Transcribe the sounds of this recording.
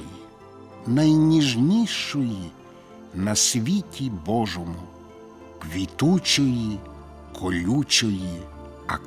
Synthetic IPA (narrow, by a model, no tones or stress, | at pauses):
ji | nɐjnʲiʒnʲijʃɔji | nɐsʲʋʲitʲibɔʒɔmʊ | kʋʲit̪ut͡ʃɔji | kʰɔlʲut͡ʃɔji | ɐ̰k